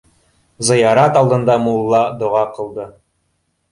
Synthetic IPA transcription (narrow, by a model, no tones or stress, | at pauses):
zɤ̆jɑɾɑt̪ɑlˠd̪ɤ̆nd̪ɑmulˠːɑd̪ŏʁɑqɤ̆lˠd̪ɤ